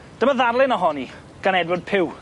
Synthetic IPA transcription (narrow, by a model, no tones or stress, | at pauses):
d̥əməðarlˠɪnɔɦɔni | ɡ̥anɛdwɔd̚pʰɪw